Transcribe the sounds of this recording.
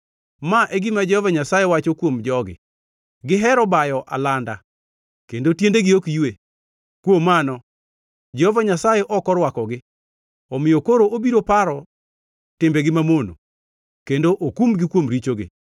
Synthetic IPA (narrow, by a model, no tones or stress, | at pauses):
maʔɛɡɪmad͡ʒɛhovaɲasajewat͡ʃokwomd͡ʒɔɡɪ̰ | ɡɪɦɛɾɔbajɔʔa̰landa̰ | kendotjendeɡɪokiwe | kwomanɔ | d͡ʒɛhovaɲasajeʔɔkɔɾwakɔɡɪ | ɔmɪjokoɾoobiɾopaɾɔ | tɪmbeɡɪmamono̰ | kendoʔokumɡɪkwomɾit͡ʃoɡɪ̰